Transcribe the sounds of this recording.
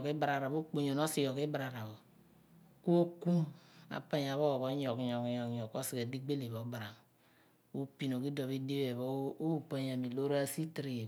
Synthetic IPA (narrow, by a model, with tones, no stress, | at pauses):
ki˦ba˨ɾa˨ɾa˨bo˦k͡po˨ɲo˨no˦si˦jo˨ki˦ba˨ɾa˨ɾa˨bo˨ | ko˦ku˦ma̰˨pa˦ɲ˨a˨βo˦˨βo˦ɲo˨kɲo˨kɲɔ˨kɲo˨kːo˦si˨ka˨di˦ɡ͡be˦li˨βo˨˦ba˨ɾa˨m | o˦pi˨no˨ki˦do˨βi˦di˦be˨βo˦u˦pa˦ɲa˨mi˨lo˦ɾa˦si˦tɾi˨